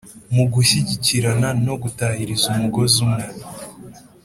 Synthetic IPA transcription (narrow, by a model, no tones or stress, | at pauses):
muɡuɕiɟiciɾanano̞ɡutahiɾizumuɡo̞zumŋe